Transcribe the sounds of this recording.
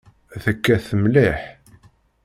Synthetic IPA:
θəkːæθəmliħ

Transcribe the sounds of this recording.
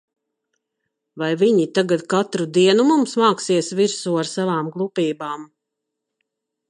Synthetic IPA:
vajviɲit̪aɡat̪̚kat̪ɾud̪iɛnumumsmaːksiɛsviɾsuaɾsavaːmɡlˠupiːbaːm

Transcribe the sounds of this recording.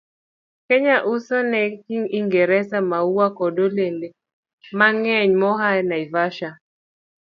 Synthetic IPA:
kɛɲaʔusɔnɛkiŋiŋɡeɾɛsamauwakɔdolende | maŋɛɲmɔɦanaivaʃa

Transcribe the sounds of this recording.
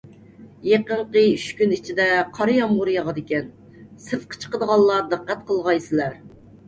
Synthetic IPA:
jeqəɴqəyʃkʲynit͡ʃʰid̪ɛqʰɑɾjɑmʊɾjɑʁɑd̪ɪkʲɛn | sɨfqʰə̥t͡ʃʰə̥qəd̪əʁɑlˠːɑd̪əqːæt̪̚qʰəlˠʁɑjsɪlæɾ

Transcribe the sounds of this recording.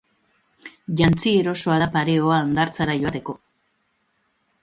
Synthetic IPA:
ʝant͡sieɾo̞so̞aðapaɾeoaand̪aɾt͡saɾaʝo̞at̪e̞ko̞

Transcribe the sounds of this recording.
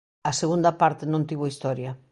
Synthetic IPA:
ɐseɣund̪ɐpaɾt̪enõnt̪iβoist̪ɔɾjɐ

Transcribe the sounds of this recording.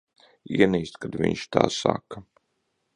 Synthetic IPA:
iɛniːst̪kad̪vʲiɲʲʃt̪a̰ːsaka

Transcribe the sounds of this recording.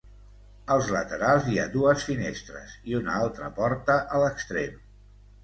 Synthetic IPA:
əlˠzlət̪əɾalˠziad̪uəsfinest̪ɾə̰ziunəalˠt̪ɾəpɔɾt̪əʔələkst̪ɾem

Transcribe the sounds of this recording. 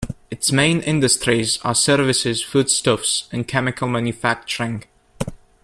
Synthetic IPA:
ɨtsmẽɪ̃nʔɪ̃ndəstɹizə̰sɜɹvɨsɪz̥fud̥stɔfsɨ̃nkʰɛmɪkʰəl̩ˠmæ̃njʉfæk̚t͡ʃəɹɪ̃ŋ

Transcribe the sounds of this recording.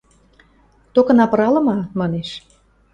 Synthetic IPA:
t̪okɤ̆nɑpə̆ɾɑlə̆mɑmɑneʃ

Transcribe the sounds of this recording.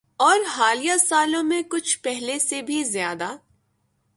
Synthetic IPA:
ɔːɾɦaːlijasaːlõmẽkʊt͡ʃʰpɛɦlesebʱizjaːd̪aː

